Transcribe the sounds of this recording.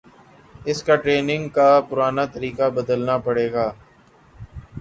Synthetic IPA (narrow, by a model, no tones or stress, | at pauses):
ɪskaʈɾeːnɪ̃ŋɡkaːpʊɾaːnat̪əɾiːkabəd̪əlnapəɽeːɡaː